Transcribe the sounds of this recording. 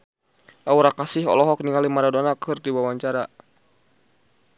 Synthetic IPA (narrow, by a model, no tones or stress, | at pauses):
ʔauɾakasɪɦɔ̰lɔɦɔkniŋalimaɾadɔnakʰɨrdiwawaɲt͡ʃaɾa